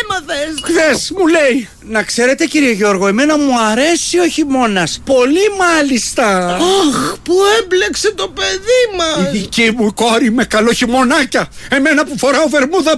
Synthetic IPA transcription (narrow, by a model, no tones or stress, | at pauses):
mɐθesxθe̞smule̞j | nɐkse̞ɾe̞t̪e̞ciɾie̞ʝo̞ɾɣo̞e̞me̞nɐmuɐɾe̞sio̞çimo̞nɐspo̞limɐlist̪ɐɐxpuemblekse̞t̪o̞pe̞ðimɐsicimuiko̞ɾime̞kɐlo̞çimo̞nɐcɐe̞me̞nɐpufo̞ɾɐove̞ɾmuðɐ